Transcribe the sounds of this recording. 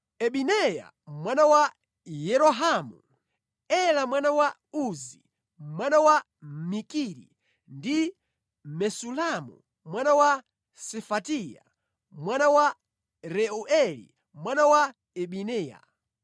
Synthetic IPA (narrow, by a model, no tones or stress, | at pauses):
ɛɓinɛja̰ | mwanawa | jɛɾɔɦamṵ | ɛlamwanawa | uzi | mwanawa | mikiɾḭ | ndi | mɛsulamṵ | mwanawa | sɛfatija̰ | mwanawa | ɾɛɔʔɛlḭ | mwanawa | ɛɓinɛːja̰